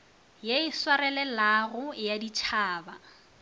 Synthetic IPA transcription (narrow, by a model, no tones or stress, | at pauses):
jeɪswarɛlɛlarʊjadit͡ʃʰaːba